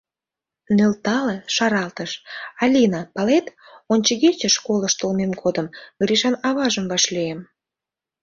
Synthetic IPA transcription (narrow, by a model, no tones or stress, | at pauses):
nølt̪ɑleʃɑɾɑlt̪əʃɑlʲinɑpɑlet̪ | onʲt͡ɕəɣet͡ɕəʃkoləʃt̪olmemɡod̪əmɡriʃɑnɑβɑʒəmvɑʃliem